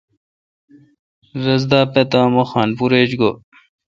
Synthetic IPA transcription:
ɾɐzd̪aːpet̪aːmoxaːnpuɾeːd͡ʑɡo

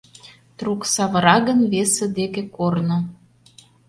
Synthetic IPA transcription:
t̪ruksɑβə̆ɾɑɣə̆nβesĕd̪ekekorno

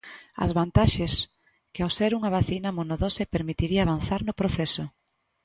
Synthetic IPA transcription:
ɐ̰zβant̪aʃes | kɪawseɾuŋɐβaθinɐmonoðosepeɾmit̪iɾiaːβ̞anθaɾnʊpɾoθesʊ

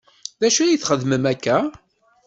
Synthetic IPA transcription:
ðæʃæjiθχəðməmækːæ

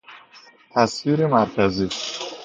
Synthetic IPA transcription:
t̪ʰæsviːɾemæɾkʲʰæziːs

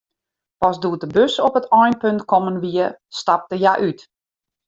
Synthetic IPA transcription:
pɔsduətəbøsɔpətʰɔjnpøntkʰɔmənʋiəstap̚təjaʔyt

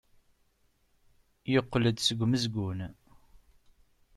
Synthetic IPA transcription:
joqːləd̪səɡʷməzɡʷun

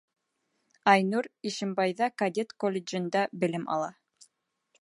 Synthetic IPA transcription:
ɑjnuɾiʃɘ̆mbɑjðɑkɐd̪ʲet̪kolʲːɪd͡ʒɘ̆nd̪ɑbɘ̆lɘmʔɑ̰lˠɑ

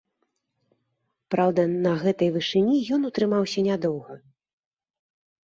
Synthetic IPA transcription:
pɾawd̪ɐnɐɣɛt̪ɐjvɨʂɨnʲijɔnut̪ɾɨmawsʲɐnʲad̪ɔwɣɐ

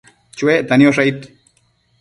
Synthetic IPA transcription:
t͡ʃueʔt̪anioʂait̪

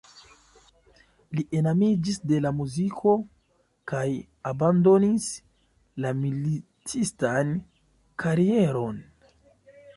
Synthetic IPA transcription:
liʔe̞namid͡ʒisde̞lamuzikʰo̞ | kaj | abando̞nis | lamili | t͡sistan | kʰaɾie̞ɾo̞n

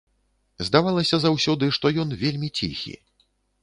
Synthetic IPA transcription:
zd̪avalˠɐsʲɐzawsʲɔd̪ɨʂt̪ɔjɔnvʲelʲmʲit͡sʲḭxʲḭ

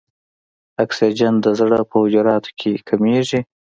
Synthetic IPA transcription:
aksid͡ʒand̪əzɽəpəwʊd͡ʒʊɾɑt̪o̥kʰekʰameʐi

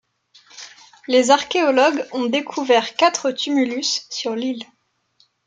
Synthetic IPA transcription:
lezaʁkʲeɔlɔɡɔ̃d̪ekʰuvɛʁkat̪χət̪ymylysːyʁlil

